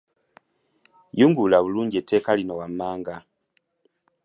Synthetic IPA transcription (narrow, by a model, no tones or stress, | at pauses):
juːŋɡulaβuluːɲɟetʰːe̞ːkalino̞wamːaːŋɡa